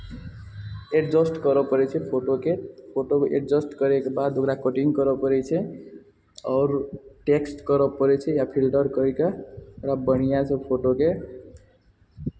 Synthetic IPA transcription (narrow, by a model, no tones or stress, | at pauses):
eʈd͡zɔsʈkʌɾɔpəɾet͡ʃʰepʰoʈokepʰoʈoḛʈ̚d͡zʌsʈkʌɾekebad̪okɾakoʈiŋkʌɾɔpəɾɛt͡ʃʰe | ɔɾʈeksʈkʌɾɔpʌɾet͡ʃʰejapʰilʈʌɾkʌikaokɾabəɽ̃ijat͡ʃʰɔpʰoʈoke